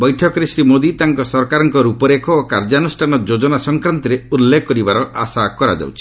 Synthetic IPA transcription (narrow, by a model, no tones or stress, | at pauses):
bɔjʈʰɔkɔɾesɾimod̪it̪aŋkɔsɔɾkaɾɔŋkɔɾupɔɾekʰɔːkaɾd͡ʒanusʈʰanɔd͡ʒod͡ʒɔnasɔŋkɾant̪ɔɾeulːekʰɔkːɔɾibaɾɔʔa̰sakɔɾa̰d͡ʒa̰wt͡ʃʰi̥